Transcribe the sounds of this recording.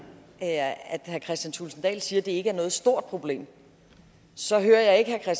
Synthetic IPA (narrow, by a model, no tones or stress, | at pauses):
æd̥hæɐkʰʁɛsd̥jænt͡sʰulsn̩d̥ɛ̰ːlsiːɐd̥e̝e̝ɡ̥əæɐnɔ̽ːð̩ˠsd̥o̝ɐ̰d̥̚pʰʁo̝b̥le̝̰ːm | sɒ̽ɦøːɐjɑ̈ɪe̝ɡ̥əhæɐkʰʁɛs